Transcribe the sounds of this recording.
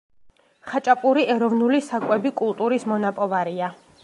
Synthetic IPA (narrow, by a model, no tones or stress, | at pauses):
χat͡ʃʼapʼuɾiɛɾɔvnulisakʼwɛbikʼulˠt̪ʼuɾismɔnapʼɔvaɾia